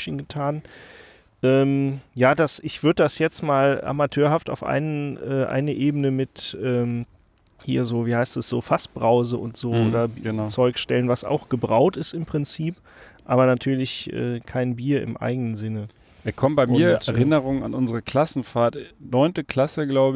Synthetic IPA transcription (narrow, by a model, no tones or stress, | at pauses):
çənɡətʰaːn | ʔɛːmjaːdasɪçv̥ʏɐdədasjɛt͡stmaːla̰matʰøːɐɦafta̰ʊfʔa̰ɪnənʔɛːʔa̰ɪnəʔeːbənəmɪtʔɛːm | hiːɐzoːviːhaɪstɛsz̥oːfasb̥ʁaʊzəʔʊntz̥oːʔoːdɐt͡sɔʏkʃtɛlənvasa̰ʊxɡ̥əbʁaʊtɪstɪmpʁ̥ɪnt͡siːp | ʔaːβɐnatʰyːɐlɪçʔɛ̰ːkʰaɪnbiːɐɪ̰mʔa̰ɪɡənənzɪnə | ɛkʰɔmbaɪmʊiːɐtɛʁɪnəʁʊŋəna̰nʔʊnzəʁəkʰl̥asn̩faːɐtnɔʏntəkʰl̥asəɡlaʊbə